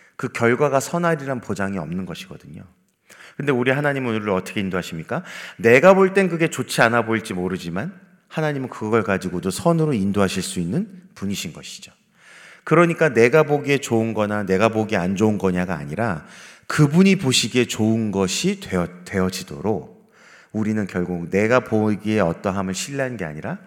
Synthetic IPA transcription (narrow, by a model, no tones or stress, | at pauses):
kɯkjʌɭɡwaɡasʰʌnaɾiɾanpod͡ʑaŋiʌmnɯnɡʌɕʰiɡ̥ʌ̰dɯɲo | kɯndeuɾiɦanaɲimɯonuɾɯʌt͈ʌkʰe̞indoɦaɕʰimɲik͈ane̞ɡaboɭt͈e̞nkɯɡe̞t͡ɕot͡ɕʰianaboiɭt͡ɕ͈imoɾɯd͡ʑiman | hanaɲimɯnkɯɡʌɡʌɭkad͡ʑiɡodosʰʌnɯɾoindoɦaɕʰiɭs͈uinːɯnpuɲiɕʰinɡʌɕʰi̥d͡ʑo̥ | kɯɾʌɲik͈ane̞ɡaboɡie̞t͡ɕounɡʌnane̞ɡaboɡiand͡ʑounɡʌɲaɡa̰ːɲiɾakɯbuɲipoɕʰiɡe̞t͡ɕoɯnɡʌɕʰieʌtwe̞ʌd͡ʑido̰ɾok̚ | uɾinɯnkjʌɭɡuk̚ne̞ɡapoɡie̞ʌt͈ʌɦamɯɭɕʰiʎːiɦannɡe̞a̰ɲiɾa